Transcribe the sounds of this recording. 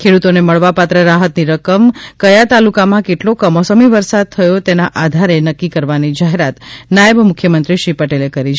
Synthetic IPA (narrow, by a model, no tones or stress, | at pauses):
kʰeɽut̪oneməɭʋapat̪ɾəɾaɦət̪niɾəkəmkəjat̪alukamãkeʈlokəmɔsəmiʋəɾsad̪̚t̪ʰəjot̪enaʔad̪ʱaɾenəkːikəɾʋanid͡ʒaɦeɾat̪najəbmʊkʰjəmənt̪ɾiʃipəʈelekəɾit͡ʃʰ